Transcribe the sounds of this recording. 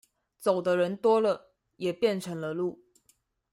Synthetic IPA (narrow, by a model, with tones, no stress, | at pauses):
t͡so˨˩ʊd̪ə˦ɻə˧˥nt̪wɔ˥lə˨ | jɛ˨˩pjɛ˥˩nʈ͡ʂʰɤ˧˥ŋlə˧lu˥˩